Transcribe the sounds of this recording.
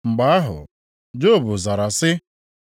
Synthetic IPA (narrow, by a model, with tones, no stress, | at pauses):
ŋ͡m̩˨ɡ͡ba˨˦a˦ɦʊ̰˨ | d͡ʒo˦˨bʊ˨za˨ɾa˨sɪ˦